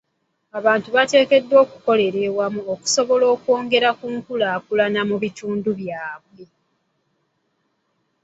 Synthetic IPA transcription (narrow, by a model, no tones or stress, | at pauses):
aβaːntuβate̞ːke̞dːwo̞ːku̥ko̞le̞ɾe̞wamuoku̥so̞βo̞lo̞ːkwo̞ːŋɡe̞ɾakuŋkulaːkulanamuβituːnduβjaːβwe̞